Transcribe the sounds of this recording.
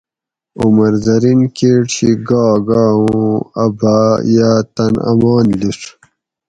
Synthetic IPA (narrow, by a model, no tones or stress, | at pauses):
umɐɾzɐɾinkeːʈɕiɡaːɡaːũɐ̰bʱajaːt̪ɐnɐ̰maːnliʂ